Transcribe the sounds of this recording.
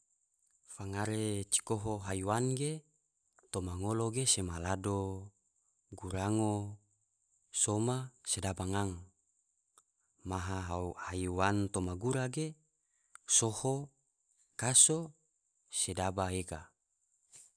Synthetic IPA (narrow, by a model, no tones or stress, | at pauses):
faŋaɾet͡ʃi̥koɦoɦaiwanɡe | t̪omaŋoloɡesemalado | ɡuɾaŋo | somasedabaŋaŋ | maɦaɦahaiwant̪omaɡuɾaɡe | soho | kaso | sedabaeka